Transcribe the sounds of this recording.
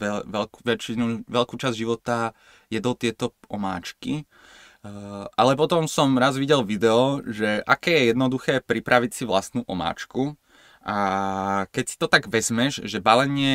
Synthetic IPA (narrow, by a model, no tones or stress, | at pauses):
ɛʋɛlkʋɛt͡ʃinuːʋɛlkuːt͡ʃazʒiʋɔt̪a | jɛd̪ɔt̪ɪɛt̪ɔʔɔma̰ːt͡ʃki | ʔalɛp̬ɔt̪ɔmsɔmɾazʋiɟɛlʋid̪ɛɔʒɛʔa̰kɛːjɛjɛd̪nɔd̪uxɛːpɾipɾaʋicsiʋlast̪nuːʔɔma̰ːt͡ʃku | ʔa | kɛcsi̥t̪ɔt̪aɡʋɛzmɛʒʒɛbalɛɲɪɛ